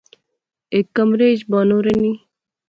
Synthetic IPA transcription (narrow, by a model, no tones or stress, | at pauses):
ekːɐmɾed͡ʑbaːnoɾeni